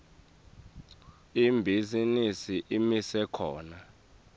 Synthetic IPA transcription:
imbʱizinisiʔimisɛkʰɔːna

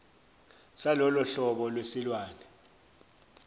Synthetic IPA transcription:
salɔlɔɬɔɓɔlwesilwaːnɛ

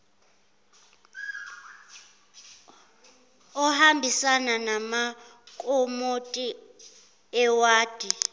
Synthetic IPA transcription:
ɔhambʱisananamakʼomotʼi | ɛwaːd̥ʱi

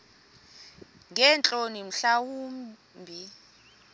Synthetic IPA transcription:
ŋɛnt͡ɬʼonim̩ɬawuːm | bʱi

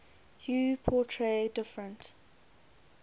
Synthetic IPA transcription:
juːpʰɔtʰɹeːdɪfɹə̃nt

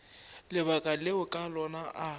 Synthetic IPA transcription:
lɪβakʼaleʊkʼalɔnaʔa

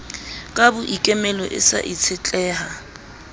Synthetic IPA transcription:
kʼabʊʔikʼɛmɛlɔʔɪ̰sa̰ʔit͡sʰɪt͡ɬʼɛːha

